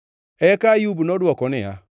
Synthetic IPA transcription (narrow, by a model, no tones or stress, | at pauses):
ɛkajubunɔdwɔkɔnɪa̰